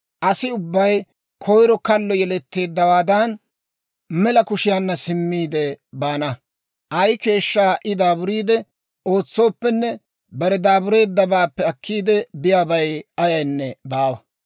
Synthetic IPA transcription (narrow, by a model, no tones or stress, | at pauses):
ʔɐsɪʊbːɐj | kʰɔjɾɔkɐlːɔjɛlɛt̪ːe̞ːd̪ːɐwaːd̪ɐn | mɛlɐkʊʃɪjaːnːɐsɪmːiːd̪ɛbaːnɐ | ʔɐjke̞ːʃːaːʔɪd̪aːbʊɾiːd̪ɛ | o̞ːt͡sːo̞ːpːɛnːɛ | bɐɾɛd̪aːbʊɾe̞ːd̪ːɐbaːpːɛɐkːiːd̪ɛbɪjaːbɐjɐjɐjnːɛbaːwɐ